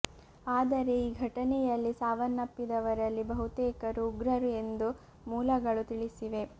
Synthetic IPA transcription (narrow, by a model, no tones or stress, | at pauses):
aːd̪ɐɾe̞iːɡʱɐʈɐnɛjɐlːisaːʋɐnːɐpːid̪ɐʋɐɾɐlːibɐɦut̪ɛːkɐɾuːɡɾɐɾue̞nd̪u | muːlɐɡɐɭut̪iɭisiʋe̞